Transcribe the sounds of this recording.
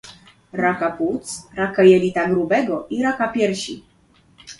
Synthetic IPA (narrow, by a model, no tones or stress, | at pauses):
ɾakaput̪sɾakajɛlʲit̪aɡɾubɛɡɔʔiɾakapʲjɛɾɕḭ